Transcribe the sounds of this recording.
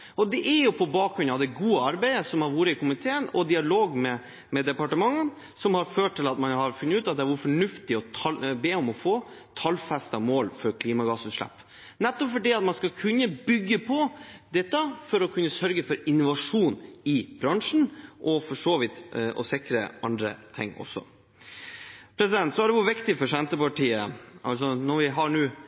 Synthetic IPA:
ʔɔd̪ɛʔæɾjʊpʰɔbɑːkɾʉnɑd̪ɛɡuːəɑɾbæɪəsɔmhɑɾʋuːɾəɪkʰʊmɪt̪ʰeːənɔ̰d̪ɪɑloːɡmɛ | mɛd̪ɛpɑʈəmɑŋːən | sɔmhɑɾføːʈʈ̪ʰːɪlɑt̪mɑnhɑɾfʉnːəʉːt̪ɑt̪̚d̪ɛæɾʋʊɾfɔɳʉft̪ɪɔɑbeːɔmɔfoːt̪ʰɑlːfæst̪ɑmoːlfɔɾkʰliːmɑɡɑːsʉːt̪ʂɭæ̰pː | nɛt̪ːɔpfɔɖiːɑt̪mɑnskɑkʰʉnːəbʏɡːəpʰɔd̪ɛt̪ːəfɔɾɔkʰʉnːəsœɾɡəfɔɾɪnːʊʋɑʂuːnɪbɾɑŋʂɳ̩ʔɔfɔʂoːʋɪt̪ʔɔ̰sɪkɾə̰ʔɑ̰nd̪ɾə̰t̪ʰɪ̰ŋːɔ̰sɔ̰ | pʰɾɛsɪd̪ɛnt̪sɔæɖɛʋʊɾʋɪkt̪ɪfɔʂɛnt̪əpɑʈiːə̰ʔɑls̬ɔnɔɾʋɪɦɑɾɳʉː

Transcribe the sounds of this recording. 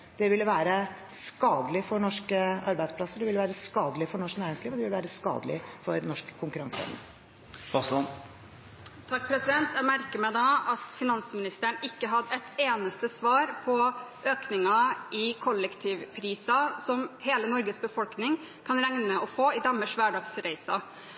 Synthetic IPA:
d̪̥ɛʋɪlːəʋæːɾə | skɑːd̪əlɪfɔɳɔʂkəɑɾbæɪd̪spʰlɑsːəɖ̪ɛʋɪlːəʋæːɾəskɑːd̪əlɪfɔɳɔʂknæːɾɪŋsliːʋɔd̪ɛʋɪləʋæːɾəskɑ̰ːd̪əlɪ̰fɔɾnɔʂkə̥kʰʊŋkʉɾɑŋsɛ̰mnə̰ɾ | bɑslɔn | t̪ʰɑk̚ːpʰɾɛsɪd̪ɛnt̪æɪmæɾkəmæɪd̪ɑɑt̪fɪnɑnsmɪnɪst̪əɳɪkːəɦɑd̪ɛɪt̪eːnəst̪əsʋɑːɾpʰɔʔøːknɪŋɑɪkʰɔlːəkt̪ʰɪʋpʰɾiːsɑsɔmheːlənɔɾɡəsbəfɔlknɪŋ | kʰɑnɾæŋnəɔfoːɪd̪ɑmːəʂʋæːɖɑːɡsɾæɪsɑ

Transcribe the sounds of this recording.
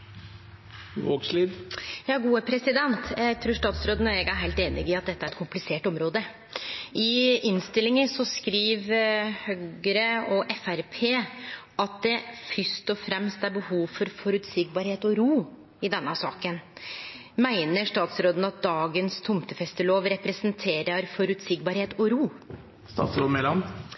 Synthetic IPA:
ʋoːɡsliːd̪jɑːɡuːəpʰɾɛsɪd̪ɛnt̪æɡt̪ʰɾuːʂʈ̪ɑːt̪sɾoːd̪ənɔɛɡæɾɦæɪt̪eːnɪɡɪɑt̪̚d̪ɛt̪ːəæɾɛt̪kʊmplɪseːʈɔmɾoːd̪ə | ɪɪnst̪ɪlːɪŋəsɔskɾiːʋhœɡəɾəɔʔɛfæɾpʰeːɑt̪̚d̪ɛfœst̪ɔfɾɛmst̪æɾbəhuːʋfɔɾfɔɾʉt̪sɪɡ̚bɑːɾheːt̪ɔɾuː | ɪd̪ɛnːəsɑ̰ːkən | mæɪnəʂt̪ɑːt̪sɾoːd̪ən̩ɑt̪̚d̪ɑːɡənst̪ʰʊmt̪əfɛst̪əloːʋɾɛpɾɛsənt̪ʰeːɾəɾfɔɾʉt̪sɪɡ̚bɑːɾheːt̪ɔɾuː | st̪ɑ̰ːt̪sɾoːd̪mɛlɑn

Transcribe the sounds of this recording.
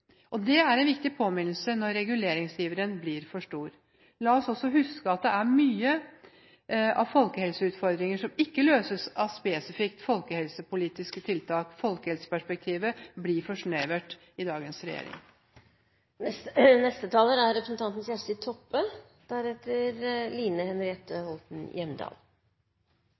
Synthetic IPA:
ʔɔd̪ɛæɾɛnʋɪk̚t̪ɪpʰoːmɪnlsənɔɾːɛɡʉleːɾɪŋsjiːʋəɾənblɪɾfɔʂʈuːɾ | lɑːɔsɔsːɔɦʉskəɑt̪̚d̪ɛæɾmyːə | ʔɑ̰ʋfɔlkəhɛlsəʉːt̪fɔɾd̪ɾɪŋəʂɔmɪkːəløːsəsɑʋspeːsɪfɪkt̪fɔlkəhɛlsəpʊliːt̪ɪskət̪ʰɪlt̪ʰɑːkfɔlkəhɛlsə̥pæʂpɛk̚t̪ʰiːʋəblɪfɔʂɳeːʋæʈ | ɪd̪ɑːɡənsɾɛjḛːɾɪ̰ŋ | nɛst̪ət̪ʰɑːləɾæɾɾɛpɾəsnt̪ʰɑnt̪nəsjæʂʈəɪt̪ʰɔpːə | d̪̥æɾhɛt̪əɾliːnəhɛnɾɪɛt̪əhɔlt̪n̩jɛmd̪ɑ̰ːl

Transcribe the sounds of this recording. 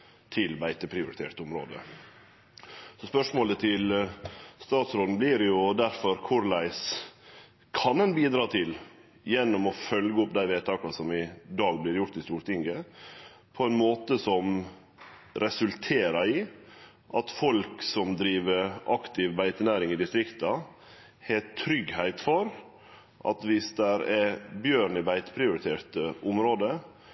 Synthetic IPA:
t̪ʰɪlbæɪt̪əpʰɾɪʊɾɪt̪ʰḛːʈt̪ʊmɾo̰ːd̪ə̰ | sɔspœʂmoːlət̪ʰɪl | st̪ɑːt̪sɾoːd̪n̩blɪɾjʊd̪æɾfɔɾkʰʊɾlæɪs | kʰɑnɛnbiːd̪ɾɑːt̪ʰɪl | jɛnːɔmɔfœlɡəɔpd̪æɪʋeːt̪ʰɑːkɑsɔmɪd̪ɑːɡblɪɾjʊɾt̪ɪst̪uːɾt̪ɪŋɡə | pʰɔɛnmoːt̪əsɔm | ɾɛsʉlt̪ʰeːɾɑɾɪː | ʔɑt̪fɔlksɔmd̪ɾiːʋəɾʔɑkt̪ɪʋbæɪt̪ənæːɾɪŋɪd̪ɪst̪ɾɪkt̪ɑ | hɛt̪ʰɾʏɡhæɪt̪fɔɾ | ʔɑ̰t̪ʋɪsd̪æɾɛbjøːɾɳɪbæɪt̪pʰɾɪʊɾɪt̪ʰeːɾt̪əʊmɾoːd̪ə

